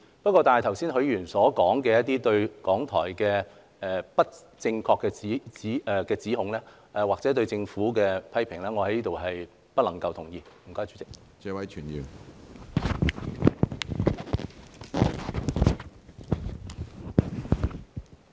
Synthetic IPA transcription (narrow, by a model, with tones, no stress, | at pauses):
pɐ˥t̚kʷːɔː˧t̪aː˨n˨jt̪ʰɐ˨˩wsiː˥nɦɵ˨˧˥ɥjyː˨˩nsɔː˨˥kɔː˨˥ŋkɛː˧jɐ˥t̪̬̚iː˥t̪ɵ˧ɥkɔː˨˥ŋt̪ʰɔ̰ː˨˩jkɛː˧ | ɛː˨pɐ˥t̚ | t͡sɪ˧ŋkʰɔː˧kːɛː˧t͡siː˨˥t͡siː˨˥˨kɛː˧t͡siː˨˥ɦʊ˨˥ŋlɛː˥ | ʔɛː˨˩waː˨k̚t͡sɛː˨˥t̪ɵ˧ɥt͡sɪ˧ŋfuː˨˥kɛː˧pʰɐ˥jpʰɪ˨˩ŋlɛː˥ŋɔː˨˧hɐ˨˥jliː˥t̪o˨wɦɐ˨j | pɐ˥t̚lɐ˨˩ŋkɐ˧wt̪ʰʊ˨˩ŋjiː˧m̩˨˩kɔː˥jt͡ʃy˨˥t͡sɪ˨k̚ | t͡sɛː˧wɐ˨˥jt͡ʃʰyː˨˩njy˨˩n